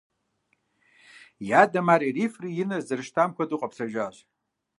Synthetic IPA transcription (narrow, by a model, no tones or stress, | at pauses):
jadamaɾirifrijinɨzdɨrʂtʰamkʷʰadɨqʼapʰsaʒʷᶣaɕʷ